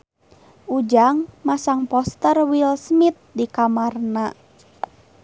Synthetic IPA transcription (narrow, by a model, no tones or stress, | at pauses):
ʔud͡ʒaŋmasaŋpɔst̪ərwilsmit̪̚dikamarna